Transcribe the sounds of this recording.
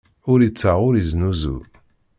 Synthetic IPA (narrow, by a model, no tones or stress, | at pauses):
ʊɾit͡sːəʁʊɾiznuzṵ